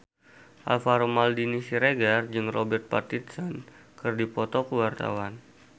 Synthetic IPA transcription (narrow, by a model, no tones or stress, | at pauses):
ʔa̰lfaɾomaldinisiɾeɡard͡ʒɨŋrɔbɛrt̪̚pat̪it̪sɔn | kɨrdipɔt̪ɔkuwart̪a̰wan